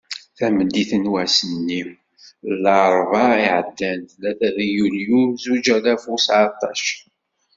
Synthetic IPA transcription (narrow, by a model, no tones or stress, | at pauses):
θæməd̪iθənwæsənːim | lːɑɾˤvɑiʕəd̪ːænt̪læθæðæjuljumzud͡ʒælæfusʕɑt̪ˤɑʃ